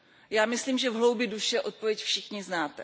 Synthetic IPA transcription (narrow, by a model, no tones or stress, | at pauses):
jaːmɪsliːmʒɛvɦlo̞wbjɪduʃɛʔo̞t̪̚po̞vjɛcfʃɪxɲɪznaːt̪ɛ